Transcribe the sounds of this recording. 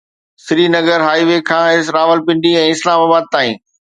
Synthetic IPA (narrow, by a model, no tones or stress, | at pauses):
sɾiːnɐɡəɾɦaːiʋekʰãːɪsɾaːʋəlpɪ̃ɳɖiɛ̃ːɪslaːmaːbaːd̪̚t̪aːĩː